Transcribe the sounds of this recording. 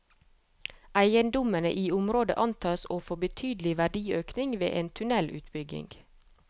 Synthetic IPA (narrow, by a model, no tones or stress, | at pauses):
æɪənd̪ʊmənə̰ʔiːʊmɾoːd̪ə̰ʔɑnt̪ʰɑːsoːfɔbət̪ʰyːd̪l̩ɪʋæɖiːøːknɪŋʋḛːʔeːnt̪ʰʉnɛlʔʉːt̪bʏɡɪ̰ŋɡ̥